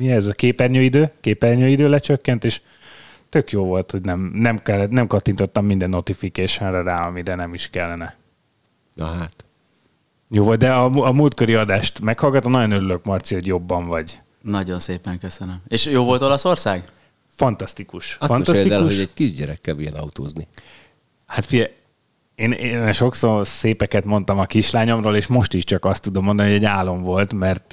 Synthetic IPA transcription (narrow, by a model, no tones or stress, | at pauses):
miɛzɒkeːpɛrɲøːid̪øːkeːpɛrɲøːid̪øːlɛt͡ʃøkːɛnt̪eːʃ | t̪ø̞kjoːvo̞lt̪ho̞ɟnɛmnɛmkɛlːɛt̪nɛmkɒt̪ːint̪o̞t̪ːɒmːind̪ɛnːo̞t̪ifikeːʃɛnrɛraːɒmiɾɛnɛmiʃkɛlːɛnɛ | nɒɦat̪ | joːvolt̪̚d̪ɛɒuɒmult̪koɾiɒd̪aːʃt̪mɛkhɒlɡɒt̪onɒɟo̞nø̞ɾylø̞kmɒrt̪siho̞ɟjo̞bːɒɱvɒɟ | nɒɟo̞nseːpɛŋkøsənəmeːʃjoːvo̞lt̪o̞lɒso̞rsaːɡ | fɒnt̪ɒst̪ikuʃsfnt̪ɒet̪id̪alkuoɛc̚kiʒɟɛɾɛkːɛlvḭjɛ̰nɒ̰ut̪o̰ːzni | hat̪fiɛ | eːnenʃo̞kso̞rseːpɛkɛt̪mo̞nt̪ɒmɒkiʃlaːɲo̞mroːleːʃmo̞ʃt̪iʃt͡ʃɒkɒst̪ːud̪omo̞nd̪ɒniɦoɟɛɟːaːlːo̞ɱvo̞lt̪mɛrt̪